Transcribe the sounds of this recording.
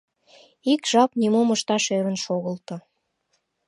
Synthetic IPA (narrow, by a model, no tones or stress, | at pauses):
ikʒ̥ɑpnʲimoməʃt̪ɑʃeɾə̆nʃoɣəlt̪o